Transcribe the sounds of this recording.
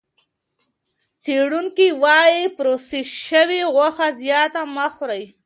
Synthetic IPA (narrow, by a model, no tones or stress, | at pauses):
t͡seɽuŋkiwɑjipɾosiʃəwiɣwaxazjɑt̪amaxɾaj